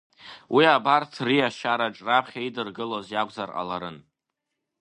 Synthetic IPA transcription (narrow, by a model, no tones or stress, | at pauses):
wiabartʰriaʃaɾaʈ͡ʂʼrapʰχʲaidɨrɡɨlozjakʷʼzarʔa̰laɾɨn